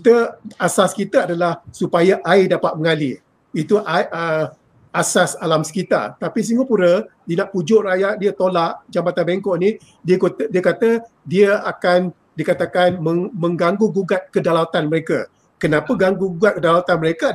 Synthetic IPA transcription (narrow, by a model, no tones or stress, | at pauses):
t̪əasaskit̪aadalahsupajaʔaidapat̪̚məŋali | it̪uʔaʔə | asasalamsə̥kit̪a̰t̪apis̬iŋapuɾədinãʔpud͡ʒoʔrajaʔdiat̪olaʔd͡ʒambat̪anbeŋkɔʔni | diəkodiəkat̪ə | diəakan | dikat̪akanməmə̃ŋɡaŋɡuɡuɡat̪̚kədalawt̪anməɾeka | kənãpəɡaŋɡuɡuɡat̪̚kədalawt̪anməɾeka